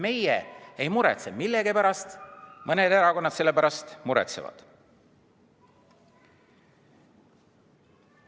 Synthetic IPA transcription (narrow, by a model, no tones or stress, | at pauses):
me̞jḛejmuɾḛt̪se̞milːe̞ɡipæɾɑst̪mʔɤned̪e̞ɾɑko̞nːɑd̪t̪se̞lːe̞pæɾɑst̪muɾḛt̪sevɑ̰d̪̥